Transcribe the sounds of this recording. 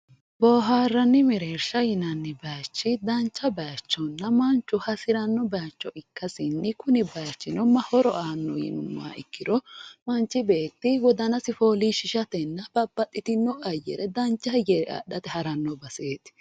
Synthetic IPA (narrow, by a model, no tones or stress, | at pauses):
bɔːɦaːrːɐnːɪmɛɾeːɾʃɐjɪnɐnːɪbaːt͡ʃːɪd̪ɐnt͡ʃːɐbɐat͡ʃːɔnːɐmɐnt͡ʃːʊhɐsɪɾɐnːɔbaːt͡ʃːɔɪkːɐsɪnːɪkʊnɪbɐt͡ʃːɪnɔmːɐhɔɾɔʔaːnːɔjɪ̰nʊ̰mːa̰ːɪ̰kːɪɾɔmɐnt͡ʃːɪbe̞ːt̪ːɪwɔd̪ɐnɐsɪfoːliʃɪʃɐt̪ɛnːɐb̥ɐbːɐt̪ʼːɪt̪ɪnːɔʔɐjːɛ̰ɾɛd̪ɐnt͡ʃːɐhɐjɛɾɛʔa̰ɗɐt̪ɛhɐɾɐnːɔbɐseːt̪ɪ̥